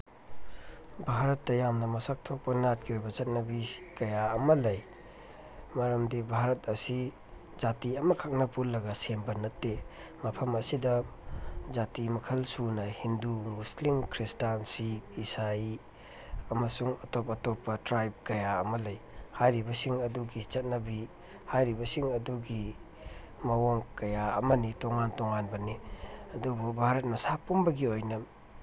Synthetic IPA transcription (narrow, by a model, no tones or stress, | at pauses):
bʱaɾɐtːɐjamnɐmɐsak̚tʰok̚pɐnat̚ɡiojbɐzɐt̚nɐbikɐjaɐmɐlɐj | mɐɾɐmdibʱaɾɐtɐsi | zatiɐmɐkʰak̚nɐpulːɐɡɐsembɐnɐtːe | mɐpʰɐmɐsidɐ | zatimɐkʰɐlsunɐhindumuslimkʰɾistansiisaj | ɐmɐsuŋɐtop̬ɐtopːɐtɾajb̚kɐjaɐmɐlɐj | hajɾibɐsiŋɐduɡit͡ʃɐt̚nɐbi | hajɾibɐsiŋɐduɡi | mɐwoŋkɐjaɐ̰mɐnitoŋantoŋanbɐniɐdububʱaɾɐt̚nɐsapumbɐɡiojnɐ